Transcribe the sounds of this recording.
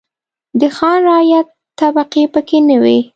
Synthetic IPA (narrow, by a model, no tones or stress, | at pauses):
d̪əxɑnɾɑjat̪ː | abaqipəkenəwi